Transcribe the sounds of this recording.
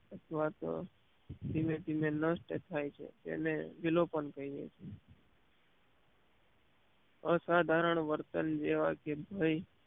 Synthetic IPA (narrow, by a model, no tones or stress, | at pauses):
ət̪ʰʋat̪o̰ | d̪imed̪imenəsʈt̪ʰajt͡ʃʰḛd͡ʒ̪ḛneʋilopənkəiḛt͡ʃʰe | əsad̪ʱaɾəɳʋəɾt̪ənd͡ʒeʋakebʱəj